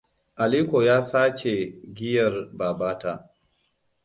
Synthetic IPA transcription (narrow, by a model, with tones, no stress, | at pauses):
ʔa˨liː˦kʷoː˨jaː˦saː˦t͡ʃe˨ɡʲɪ˦jɐ˨rbaː˨baː˦ta̰ː˨